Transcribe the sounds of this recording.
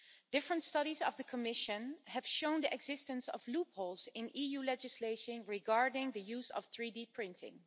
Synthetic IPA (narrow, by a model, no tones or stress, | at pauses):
d̥ɪfɹə̃ntstʌɾizɔvðəkʰəmɪʃɨ̃nhɨv̥ʃõʊ̃ndiʔɛɡzɪstə̃nsɔ̰vlupholˠzɪ̃nʔijulɛd͡ʒɪsleɪʃə̃nɹiɡɑɹdɪ̃ŋðɨjuːzʌ̰fθɹidipʰɹɪ̃ntʰɪ̰̃ŋ